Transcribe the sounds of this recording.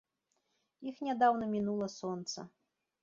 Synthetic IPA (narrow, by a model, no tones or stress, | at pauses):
ixnʲad̪awnɐmʲinulˠɐsɔnt̪sɐ̰